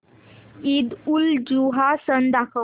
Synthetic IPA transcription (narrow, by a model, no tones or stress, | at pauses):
id̪uld͡ʑuɦasənd̪akʰə